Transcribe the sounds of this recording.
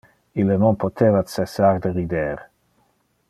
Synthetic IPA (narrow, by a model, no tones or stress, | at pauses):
ilːənonpot̪ʰeːvat̪t͡sesard̪əɾid̪eɾ